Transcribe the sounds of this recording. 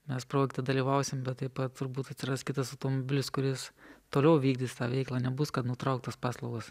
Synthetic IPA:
mʲɛspɾoːɡʲkt̪ʲɐd̪ɐlʲiːʋɐʊsʲɪmbʲɛt̪t̪ːɐɪpɐt̪t̪ʊɾbuːt̪ɐt̪ʲsʲɪɾɐskʲɪt̪ɐsɐʊt̪oːmobʲɪlʲɪskʊɾʲɪst̪oːlʲɛʊʋʲiːɡ̚dʲiːst̪ɑːʋʲɛɪklˠɑːnʲɛbʊskɐt̪nʊt̪ɾɐʊkt̪ɐspɑːslˠɐʊɡɐs

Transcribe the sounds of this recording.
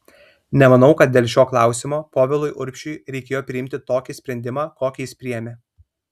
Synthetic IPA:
nʲɛmɐnɒʊkɐt̪̚d̪ʲeːlʲˠʃʲoːklˠɑˑʊsʲɪmoːpoːʋʲɛlˠʊjʔʊɾʲpʲʃʲʊɪɾʲɛɪkʲeːjoːpʲɾʲɪɪmʲt̪ʲɪt̪oːkʲiːsʲpʲɾʲɛnʲd̪ʲɪmɑːkoːkʲiːɪspʲɾʲɪjɛmʲeː

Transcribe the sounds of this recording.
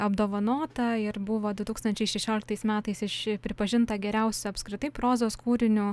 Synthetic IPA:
ɐbd̪oːʋɐnoːt̪ɐɪɾbʊʋoːd̪ʊt̪uːkst̪ɐnʲt͡ʃʲɛɪʃʲɛʃʲoːlʲɪk̚t̪ɐɪsmʲæːt̪ɐɪsɪʃpʲɾʲɪpɐʒʲɪnt̪ɐɡʲɛɾʲɛʊsʲʊɐpskɾʲɪt̪ɐɪpɾoːzoːskuːɾʲɪnʲʊ

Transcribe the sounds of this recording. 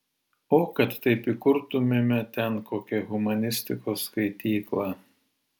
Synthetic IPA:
oːkɐt̪ːɐɪpikʊɾt̪ʊmʲemʲɛt̪ʲɛnkoːkʲɛɣʊmɐnʲɪsʲt̪ʲɪkoːskɐɪt̪ʲiːklˠɑː

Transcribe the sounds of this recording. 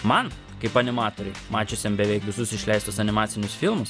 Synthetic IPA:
mɐn | kɐɪpɐnʲɪmɑːt̪oːɾʲɛɪmɑːt͡ʃʲʊsʲɛmbʲɛʋʲɛɪkʋʲɪsʊsɪʃʲlʲɛɪst̪usɐnʲɪmɑːt̪sʲɪnʲʊsfʲɪlˠmʊs

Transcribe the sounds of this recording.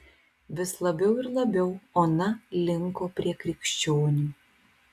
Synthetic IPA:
ʋʲɪslˠɐbʲɛʊɪɾlˠɐbʲɛʊoːnɐlʲɪŋkoːpʲɾʲiɛkɾʲɪkʃʲt͡ʃʲoːnʲuː

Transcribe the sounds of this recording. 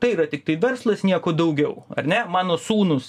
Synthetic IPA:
t̪ɐɪiɾɐt̪ʲɪk̚t̪ɐɪʋʲɛrslˠɐsnʲiɛkoːd̪ɐʊɡʲɛʊɐ̰rʲnʲɛmɑːnoːsuːnʊs

